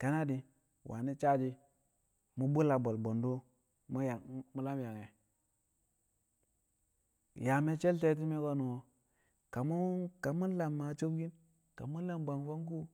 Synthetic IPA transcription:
ka˨˦na˦di˨ | wʔa̰˨ni˦t͡ʃa˦d͡ʒi˦ | mu˦bu˦la˨bo˨lbo˨ndo˦ | m˦ja˨˦mu˨la˦mja˨ŋe˨ | ja˨me˦t͡ʃe˦lte˦t̬i˦me˦ɡo˦nu˨o˨ | ka˨mu˦ka˨mu˦n˦la˨mːa˨˦t͡ʃo˦bɡi˦n | ka˨mu˦la˦mba˨ŋfo˦ŋku˦

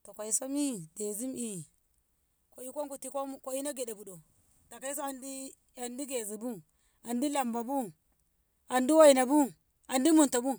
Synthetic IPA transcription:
to˨kʷa˨i˨so˦mi˦de˨zi˦mʔi˨ | ko˨i˦ko˦ku˨ti˨kʷo˦mko˨i˦na˦ɡe˨ɗe˨bu˨ɗo˨ | ta˨ka˦i˦s̬o˦a˨ndi˦ | a˨ndi˦ɡe˨zi˨bu˦ | a˨ndi˦la˨mba˨bu˦ | a˨ndi˦wa˦i˨na˨bu˦ | a˨ndi˦mu˨nto˨bu˦

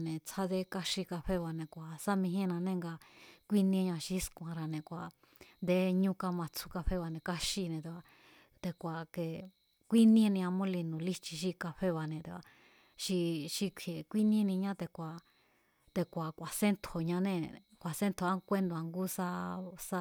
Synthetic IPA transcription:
nẽ˨t͡sʰa˧ðe˧˦ka˧ʃi˧ka˧ɸe˦βa˧nẽ˨kʷa˨sa˦mĩ˧ɦĩ˦˧nã˧nẽ˦˧ŋɡa˧kʷi˦nĩ˧˦˧ɲã˧ʃi˧˦skʷã˨˧ɾa˧nẽ˨kʷa˨ | nd̪e˧ɲũ˦ka˧mã˧t͡sʰu̥˧ka˧ɸe˦βa˧nẽ˨ka˧ʃi˧nẽ˨t̪e˧a˧ | t̪e˧kʷa˨ke˨ | kʷi˦nĩ˦˧nĩ˧ã˧mõ˦li˧nũ˨li˦t͡ʃi˧ʃ̬i˧ka˧ɸe˦βa˧nẽ˨t̪e˧a˨ | ʃi˧ʃi˧kʷʰe˨kʷi˦nĩ˦˧nĩ˧ɲã˦t̪e˧kʷa˨ | t̪e˧kʷa˨kʷa˨se˦nt̪ʰo˨ɲã˧nẽ˦˧ | kʷa˨se˦nt̪ʰo˧a˦˧kʷe˦nd̪ũ˧˨a˧ŋɡu˦sa˧sa˧˦

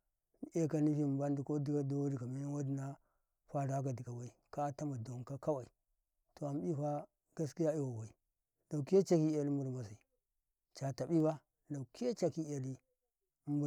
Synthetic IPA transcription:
e˦ka˦ni˦fi˦˨m˦ba˦n˦di˨ko˦di˦ɡa˦do˦wa˦di˨ka˨mi˦na˦wa˦di˦na˦ | ɸa˦ɾa˨˦ka˨di˨ɡa˨wa˨i˨ka˦ta˦ma˨do˨ŋka˦ka˦wa˨i˨ | to˨a˨m˦ɓi˦ɸa˦ | ɡa˦ski˦ja˦i˦wa˨wa˨i˨ | da˨u˨ke˦t͡ʃa˦ki˦a˨li˦m˦bu˨ɾma˨si˨ | t͡ʃa˨ta˨ɓi˦ba˦ | da˨ki˦a˦t͡ʃa˨ki˦a˨li˦ | mbu˨

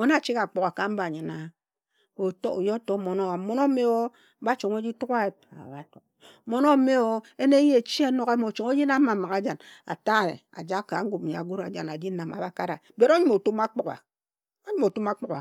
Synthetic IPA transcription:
o˦na˦˨t͡ʃi˦ka˨k͡po˨ka˨ka˨m̩˦ba˨ɲi˨na˨ | o˨to̰˦˨jo˦to˦mo˨no˦wa˨˦mo˦no˦me˦˨wo˦ | ba˦t͡ʃo˨ŋo˦d͡ʒi˦tu˦ka˦e˨pa̰˨ba˨to˨ | mo˨no˦me˦˨o˦e˦ne˦je˨t͡ʃi˦a˦no˦ɣe˦mo˨t͡ʃo˨ŋo˦d͡ʒi˦na˦m˦mːa˨ma˨ka˦d͡ʒa˨na̰˨ta˦˨ɾḛ˨a̰˨d͡ʒa˦ka˨˦ŋ̩˦ɡu˨m̩˨ja̰˨ɡu˦ɾa˨d͡ʒa˨na˨d͡ʒi˦na˨ma̰˨ba˦ka˦ɾa˨ | be˦ɾo˦ɲu˦mo˨tu˦ma˦k͡po˨ka̰˨ | o˦ɲu˦mo˨tu˦ma˦k͡po˨ka˨

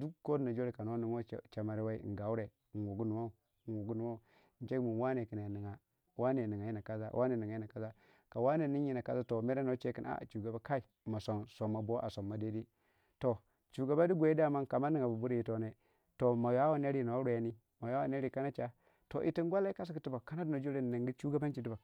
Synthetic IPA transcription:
du˦kkːo˦dna˨d͡ʒo˦ɾi˨ka˨no˦ni˨ŋo˦˨t͡ʃa˨ma˨ɾi˦wa˦ḭ˦˨n˨ɡa˨u˦ɾe˨ | n˨wu˨ɡu˦nu˨wa˦u˨ | n˨wu˨ɡu˦nu˨wa˦u˨ | n˦t͡ʃe˦ɡmu˨n˨wa˦ne˨ki˨ne˨ni˨ŋa˨˦ | wa˦ne˨ni˨ŋa˨ji˦na˨ka˦za̰˦wʔa˦ne˨ni˨ŋa˨˦i˦na˨ka˦za˦ | ka˨wa˦ne˨ni˦i˦na˨ka˦za˦to˨me˦ɾe˦no˦t͡ʃe˦ki˨na̰˦˨t͡ʃu˨ɡa˨ba˦ka˦i˨ | ma˨so˨nso˨mːa˨bo˦ʔa̰˨so˨mːa˨de˦di˦ | to˨ | t͡ʃu˨ɡa˨ba˦di˦ɡʷe˨˦di˦a˦˨ma˦nka˨ma˦ni˨ŋa˨bu˨bu˦ɾi˦ji˦to˨ne˨ | to˨ma˨ja˦wa˦ne˦ɾi˦no˨˦ɾe˨a˦ni˦ | ma˨ja˦wa˨ne˦ɾi˦˨ka˦na˦t͡ʃa˦ | to̰˨ʔḭ˨ti˦n˦ɡʷa˦la˦i˦ka˦s̬i˦ki˨ti˦ba˨ka˦na˦du˦no˨d͡ʒo˦ɾe˦n˨ni˨ŋɡi˦t͡ʃu˦ɡa˦ba˦n˦t͡ʃi˨ti˦ba˨

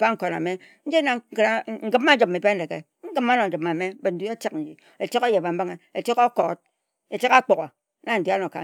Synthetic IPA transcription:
a˦ŋ̩˦ko˨na̰˨me˦ | n̩˦d͡ʒi˦na˨˦ŋ̩˦ɡɨ˦mːa˦d͡ʒi˨p̚mːe˨be˦n̩˦de˨ɡḛ˨ | ŋ̩˦ɡɨ˦mːa˦no˨d͡ʒi˨ma˨me˦be˨n̩˨du˦e˦ta˦kn̩˨d͡ʒi˨ | e˨te˦ko˦je˨ba˨m̩˦ba˦ŋe˨e˨te˦ko˦ko˨˦t̚ | e˨ti˦ka˦k͡po˨ɣo˨˦ | na˦n̩˨di˦a˦no˨ka̰˨

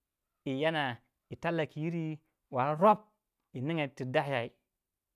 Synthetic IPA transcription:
i˨ja˦na˨ | i˨ta˦lːa˨ki˨ji˦ɾi˦ | wa˨ɾɾo˦p̚ | i˨ni˦ŋa˨ti˨da˦hja˨i˨˦

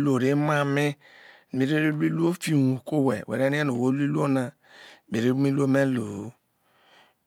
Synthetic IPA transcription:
lo˨ɾi˦ma˦mi˦˨ | mi˨˦ɾi˦ɾi˦lu˦i˦lu˦o˦fi˦wu˨ko˦wɛ˨wḛ˨ɾe˦ni˦e˦no˨wo˦lu˦i˦lu˦o˦na˨ | mi˨ɾi˦mi˦lu˦o˦me˦lo˨˦

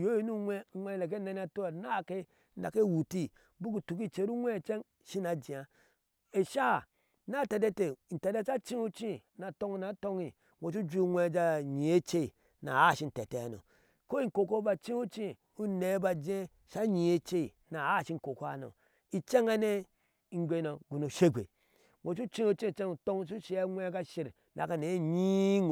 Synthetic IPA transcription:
jo˦i˦nu˦e˦ŋʷe˦˨le˨k̬e˦ne˦n˦a˨to˦˨na˦˨ke˦ | a̰˨ke˦˨wu˨ti˦ | bu˦ku˨tu˨k̬i˦t͡ʃe˨˦ɾu˦e˦˨t͡ʃe˦ŋ | ʃi˦na˨d͡ʒi˨a˨ | e˨ʃa˦ha˨ | na˦˨tɛ˨de˦te˨n̩˨tɛ˨de˦t͡ʃa˦t͡ʃi˦u˦t͡ʃi˦na˨to˦ŋi˨na˨˦to˦ŋi˨ | wʷo˨t͡ʃu˦d͡ʒu˦ŋʷe˦˨d͡ʒa˦ɲi˨e˦t͡ʃe˦i˨ | na̰˨a˦˨ʃi˦n̩˨te˨te˨a˨no̰˨ | ko˦i˦ŋ˨ko˨ko˦ba˨t͡ʃĩ˦u˦t͡ʃi˦ | u˦ne˨˦ba˨d͡ʒe˦ | ʃa˦ɲi˨e˦t͡ʃe˦i˨ | na˨a˦˨ʃi˦ŋ̩˨ko˨ko˦a̰˨no̰˨ | i˨t͡ʃe˦ŋa˦ne˦ | i˨ŋ˦ɡʷe˨˦no˨ɡu˨no˨ʃe˦ɡʷḛ˨ | ŋʷo˨t͡ʃu˦t͡ʃi˦o˦t͡ʃi˦˨t͡ʃe˦ŋu˨to˦ŋ˦s̬u˦ʃi˦a˦ŋʷe˦ɡa˦ʃi˨ɾ | nʔa̰˨ka˨ne˨˦ɲi˦ŋ˨

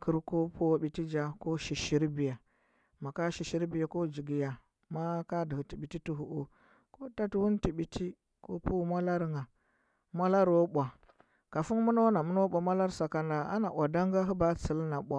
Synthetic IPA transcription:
kʰu˦ɾko˦pu˦wɓi˨ti˦d͡ʒa˨ko˦ʃi˨ʃi˦ɾbi˨ja˨ | ma˨ka˦ʃi˨ʃi˦ɾbi˨ja˨ko˦d͡ʒi˨ɡi˨ja˨ | ma˦ka˦di˨hu˨ti˨ɓi˨ti˦tu˦ɦu˨ʔo˦ | ko˦ta˦tu˦wu˦nti˨ɓi˨tʰi˦ | ko̰˦pu˦mʷa˦la˦ɾŋa˨ | mʷa˦la˦ɾwo˦ɓʷa˨ | ka˨fu˦ŋmu˦no˦na˨mu˦no˦ɓʷa˨mʷa˦la˦ɾsa˨ka˦nda˨a̰˦na˨ʔʷa˨da˦ŋɡa˦ɦu˦ba˦t͡si˨lna˨ɓʷa˨

